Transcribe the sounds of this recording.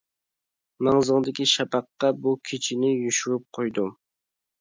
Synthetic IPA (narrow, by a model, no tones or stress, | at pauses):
mɑŋzəŋd̪ɪkʲiʃɑpɑqːɑbukʲʰet͡ʃʰinɪjyʃyɾyp̚qʰojd̪u